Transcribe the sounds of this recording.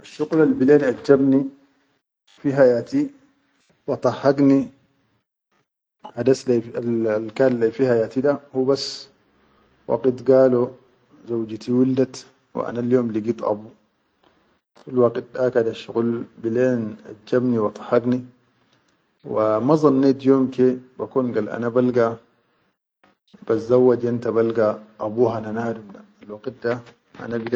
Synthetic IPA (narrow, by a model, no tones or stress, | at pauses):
ʔaʃːʊɣlalbileːnʔad͡ʒd͡ʒabni | fiɦajaːt̪i | wɑt̪ˤɑhːɑɡni | had̪aslaalkaːnlafiːhajaːt̪id̪ahubasː | wɑ̰ɡit̪ɡaːlo | zawd͡ʒt̪iwɪld̪at̪ | w̰ʔa̰naljoːmliɡiːt̪ʔɑ̰bu | falwaɡt̪̚dakad̪aʃuɣulbileːnad͡ʒːabniwɑt̪ˤɑ̥hɑɡni | wamaɑzˤɑnːeːt̪joːmkebakuːnɡalʔa̰nabalɡa | b̥aszawːad͡ʒʔent̪abalɡaʔːbuːɦananaːdumdaalwaɡit̪̚da | ʔa̰nabiɡ